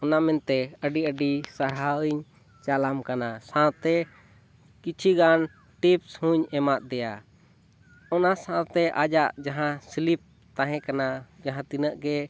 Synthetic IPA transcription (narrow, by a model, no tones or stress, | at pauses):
ɔnamɛnt̪ɛəɖiəɖisaɽɦaiɲ | t͡ʃalamkanasãt̪ɛ | kit͡ʃʰiɡan | ʈipshuɲɛmat̪̚ˀd̪ɛja | ɔnasãt̪ɛʔad͡ʒaʔd͡ʒaɦãsilip̚ | t̪aɦɛ̃kanad͡ʒaɦãt̪inəʔɡɛ